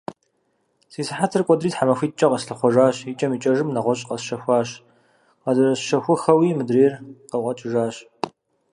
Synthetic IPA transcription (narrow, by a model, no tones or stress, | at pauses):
siːsɨħatʰɨrkʷʼɔdriːtħamɐxʷiːt̚ʼt͡ʃʼɐqɐsɬɨχʷɔʒaːɕit͡ʃʼɐmiːt͡ʃʼɐʒɨmnɐʁʷɔɕʼqɐsʃɐxʷaːɕ | qɐzɨrɐsʃɐxʷʊxɐwiːmɨdreːrqəqʷʼɐt͡ʃʼɪʒaːɕ